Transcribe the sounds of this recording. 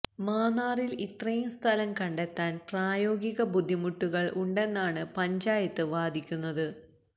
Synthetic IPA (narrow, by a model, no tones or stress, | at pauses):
maːnaːrilit̪rɐjumst̪ʰɐlɐmkɐɳɖet̪ːaːnpraːjo̞ːɡiɣɐbud̪ʱːimuʈːuɣɐɭʔuɳɖe̞nːaːɳɨpɐɲd͡ʑaːjɐt̪ːɨʋaːd̪ʱikʲːunːɐðɨ